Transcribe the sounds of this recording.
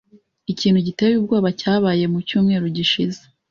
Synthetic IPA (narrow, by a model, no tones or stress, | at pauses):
iciːn̥huɟitewjuːb̚ɡoːβacaːβaːje̞mucuːmŋe̞ːɾoɟiʃize̥